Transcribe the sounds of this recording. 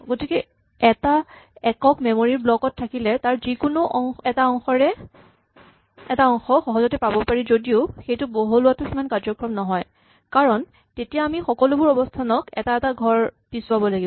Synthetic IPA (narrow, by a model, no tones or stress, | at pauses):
ɡotikɛ | ɛtaɛkɔkmɛmoɹiɹblɔkɔtʰːakilɛtaɹzikʊnʊʔɔŋɛtaɔŋxɔɹɛ | ɛtaɔŋxɔxɔɦɔzɔtɛpabɔpaɹizodioxejtʊboɦulʊwatʊximankazɔkɹɔmnɔɦɔj | kaɹɔn | tetijaːmixɔkɔlʊbʊɹɔbɔstʰanɔkɛ̰taɛtaɡʱɔɹpisʊabɔlaɡibɔ